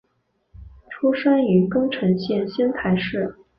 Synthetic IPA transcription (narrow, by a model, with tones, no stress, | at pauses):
ʈ͡ʂʰu˥ʂa˥ny˧˥kɤ˥ŋʈ͡ʂʰɤ˧˥ŋɕjɛ˥˩nɕɛ˥nt̪ʰa˧˥˩ɪʂɻ̩˥˩